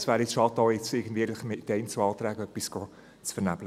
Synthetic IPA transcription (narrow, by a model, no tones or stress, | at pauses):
sʋæːɾɪsʃɑtːɔːɪt͡sɪːɡən̩dviːɾlɪχmɪtːɛɪnt͡səɑːt̪ɾæːɡəœpːisɡ̥ɔ | t͡sfəɾnæb̥lə